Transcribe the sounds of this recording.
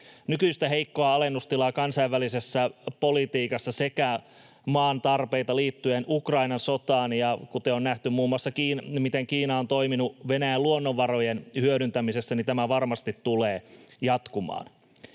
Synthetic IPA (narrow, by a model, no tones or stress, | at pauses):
nykyist̪æheikːoɑɑlenːust̪ilɑːkɑnsɑiʋːælisesːæpolit̪iːkɑsːɑsekæ | mɑːnt̪ɑrpeit̪ɑliːt̪ːyenʔukrɑinɑnsot̪ɑːnjɑkut̪eonnæht̪ymmuːmːuɑsːɑkiːnmit̪eŋkiːnɑont̪o̞iminuʋenæjæluonːoʋːɑrojenhyøɾynt̪æmisesːænit̪æmæʋɑrmɑst̪it̪tuleːjɑt̪kumɑ̰ːn